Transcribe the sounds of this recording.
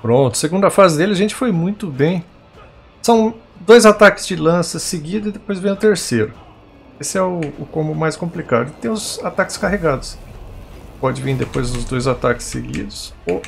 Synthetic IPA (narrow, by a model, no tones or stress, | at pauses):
pɾõnt̪ʊ̥seɡũnd̪ʊɐfazɪd̪elɪɐʒẽnt͡ʃɪ̥fojmũj̃t̪ʊbẽj̃ | sɐ̃w̃d̪ojzat̪akɪ̥zd͡ʒɪlɐ̃sɐseɡid̪ʊɪd̪epojzvẽj̃ʊt̪eɾsejɾʊ | esɪɛʊʊkõmbʊmajskõmplikad̪ʊɪt̪ẽʊzat̪akɪ̥skaɦeɡad̪ʊs | pɔd͡ʒɪvĩd̪epojzd̪ʊzd̪ojzat̪akɪ̥sːeɡḭd̪ʊso